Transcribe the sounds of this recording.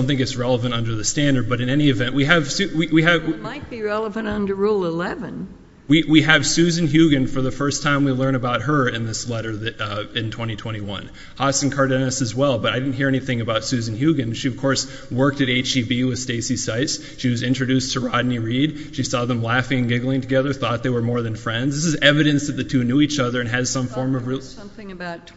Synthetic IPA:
ʊ̃nθɪ̃ŋkɨtsɹɛlˠəvɨ̃ñtʌ̃ndə˞ðɨstæ̃ndə˞d̚bʌɾɨ̃nɛniɨvɛ̃nʔwiɨv̥sʉwiwiɨmaɪt̚b̥iɹɛlˠəvɨ̃ntʌ̃ndə˞ɹulˠɪlɛvɨ̃n | wiwiɨv̥sʉzɨ̃n̩ɦjʉɡɨ̃nfə˞ðəfɜ˞stʰãɪ̃mwilɜ̃˞ɾ̃ɨbaʊt̚hə˞ɨ̃nðɪslɛɾə˞ðɨɪ̃ntʰw̥ɛ̃ɾ̃itʰw̥ɛ̃ɾ̃iwʌ̰̃n | hɑsn̩kʰɑɹɾɨnɨsɨzwɛlˠbʌɾaɪɾɪdⁿn̩tɦiɹɛniθɪ̃ŋɨbaʊtsʉzn̩hjʉɡɨ̃nʃiʌv̥kʰɔɹs | wɜ˞k̚tɨɾeɪt͡ʃibiwɨð̥steɪsisaɪts | ʃiwʌzɪ̃nt͡ʃɹ̥ɨdʉstʰɨɹɑdⁿn̩ɨɹid̥̚ | ʃisɔðə̃mlæfɪ̃ŋɨ̃nɡɪɡl̩ˠɪ̃ŋtʰɨɡɛðə˞θɔt̪̚ðeɪwə˞mɔɹðɨ̃nfɹɛ̃ndzðɪsɨzɛvɨɾɨ̃nsðɨt̪̚ðɨtʰʉnʉit͡ʃʌðə˞ɨ̃nɨz̥sʌ̃ɱfɔɹmʌvɹi | mθɪ̃ŋɨbaʊt

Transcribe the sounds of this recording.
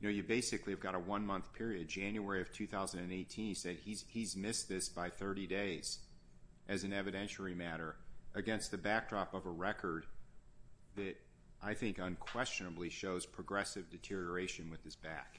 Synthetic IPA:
jɨnoʊjɨbeɪsɨkliɨvɡɑɾəwʌ̃nmʌ̃nθpʰɪɹiɨd̚d͡ʒæ̃njuɛɹiʌv̥tʰʉθaʊzɨ̃n̩dɨ̃neɪtʰĩnisɛd̚izizmɪsðɪsb̥aɪθɜ˞ɾideɪz̥ | ʔɨzɨ̃nɛvɨɾɛ̃nʃl̩ˠimæɾə˞ʔɨɡɛ̃nst̪̚ðɨbæk̚d̥ɹɑpʌvəɹɛkʰə˞d̪̚ | ðɨɾ | ʔaɪθɪ̃ŋkə̃nkʰw̥ɛst͡ʃɨnəbliʃoʊz̥pʰɹ̥ɨɡɹɛsɨvdɨtʰɪɹiə˞eɪʃɨ̃nwɨð̥ɨzb̥æ̰k

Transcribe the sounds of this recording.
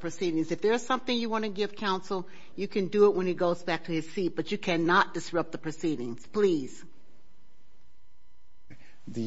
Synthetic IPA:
pʰɹ̥ɨsiɾɪ̃ŋzɨfðə˞z̥sʌ̃mθɪ̃ŋjɨwɑ̃ñɨɡɪv̥kʰãʊ̃nsl̩ˠ | jɨkʰɨ̃ndɨɪt̚wʔə̃niɡoʊzbæk̚tʰɨɨz̥sit̚b̥ʌt͡ʃɨkʰænət̚d̥ɨsɹʌp̚ðəpʰɹ̥ɨsiɾɪ̃ŋz̥pʰl̥iz̥ | ðɨ

